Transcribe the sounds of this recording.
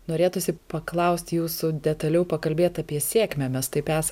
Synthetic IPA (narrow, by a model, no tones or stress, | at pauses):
noːɾʲeːt̪ʊsʲɪpɐklˠɐʊsʲt̪ʲjuːsʊd̪ʲɛt̪ɐlʲɛʊpɐkɐlʲbʲeːt̪ɐːpʲiɛsʲeːkmʲɛmʲɛst̪ɐɪpæːsɐ